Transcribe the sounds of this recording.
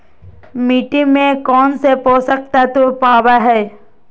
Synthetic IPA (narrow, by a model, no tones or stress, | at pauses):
miːʈimẽkɔːnsepoːsək̚t̪at̪opaːwaɦɛː